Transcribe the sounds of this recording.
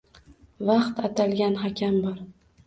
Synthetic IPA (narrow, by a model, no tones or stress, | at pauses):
vɑqt̪at̪ʰalɡʲanɦakʲʰambɒɾ